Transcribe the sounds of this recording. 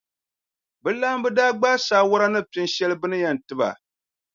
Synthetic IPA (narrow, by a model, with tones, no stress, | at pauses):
bɨ˦laː˦mbɨ˦daː˦ɡ͡ba˦saː˨˦wʊ˦ɾa˦nɨ˦pɪ˦n˦ʃɛ˦lɨ˦bɨ˦nɨ˦jɛ˨n˨tɨ˦ba̰˨